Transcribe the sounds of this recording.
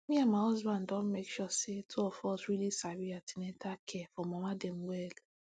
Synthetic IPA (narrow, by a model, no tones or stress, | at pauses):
mĩamaɔzbãndɔ̃nmekʃɔsetʰuɔfɔsɹilisaɾiatinetakʰɛfɔ̃mɔmadɛmwɛl